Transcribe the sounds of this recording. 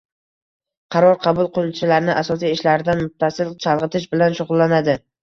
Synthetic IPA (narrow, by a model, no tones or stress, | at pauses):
qʰɑɾɒɾqʰɑbʊlˠqʊlˠʊt͡ʃʰɪlaɾnɪʔasɒs̬ijɪʃlaɾɪd̪anmʊt̪ʰːasɪlt͡ʃʰalˠʁɨt̪ʰɪʃbɪlanʃʊʁʊlˠːanad̪ɪ